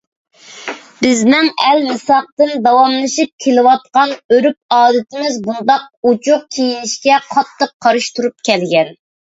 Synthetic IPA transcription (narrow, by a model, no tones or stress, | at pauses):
b̥ɪzmɪŋɛlmɨsɑq̚t̪ɨnd̪ɑwɑmlˠɨʃip̚kʲʰelɪwɑt̪̚qɑnøɾyp̚ɑːd̪ɨt̪ʰɪmɪzbund̪ɑq̚ut͡ʃʰʊqkʲʰejinɪʃkʲɛqʰɑt̪ʰːəqʰːɑɾɨʃt̪uɾup̚kʲʰɛlɡʲɛn